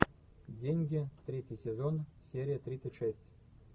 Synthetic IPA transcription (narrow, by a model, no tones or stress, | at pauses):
dʲenʲɡʲɪt̪ɾʲetʲjɪjsʲɪzonsʲeɾʲɪjət̪ɾʲit̪sɨtʲʂɛsʲtʲ